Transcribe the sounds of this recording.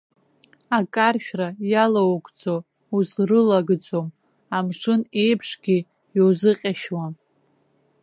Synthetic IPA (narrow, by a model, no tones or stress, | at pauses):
akʼarʃᶣrajalawkʷʼd͡zo | uzrɨlaɡd͡zo̞m | amʂɨne̞jpʰʂɡʲi | jozɨqʲʼaʃwam